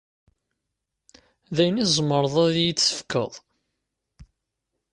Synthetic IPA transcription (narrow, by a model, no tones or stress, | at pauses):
ðæjnizˤmːəɾˤəðˤæðjət͡sːə̥fkə̰ðˤ